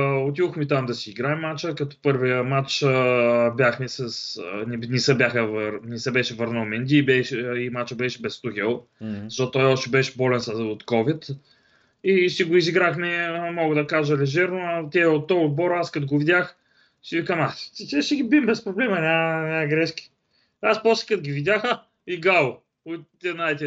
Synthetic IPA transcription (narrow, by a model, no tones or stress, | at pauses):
ot̪ivʊxmɛt̪amd̪ɐsiːɡɾaɛmːat͡ʃəkɐt̪ɔ̥pɤɾvijəmat͡ʃ | bʲjaxmɛsɐsnɛnɛsəbjaxəvəɾnɛsəbɛʃɛvəɾnəlmɛnd̪ʲiːbɛʃimat͡ʃəbɛʃɛbɛst̪uxʲɛlˠzɐʃɔt̪ːt̪ːɔjɔʃt̪ɛbɛʃɛ̥bɔlɛnsɐot̪kɔvit̪ | iʃiɡoiziɡɾaxmɛmɔɡəd̪ɐkaʒəlɛʒɛɾnoɐt̪ʲɛɛot̪ːɔʊd̪̚bɔɾaskɐt̪oɡovid̪ʲjax | ʃiikamat̪ɛʃɛɡʲibimbɛspɾoblɛmɐnʲanʲaɡɾɛʃki̥ | aspɔsi̥kət̪ɡʲivid̪ʲaxə | iɡalˠʊ | ot̪ɛnaɛt̪ʲɛ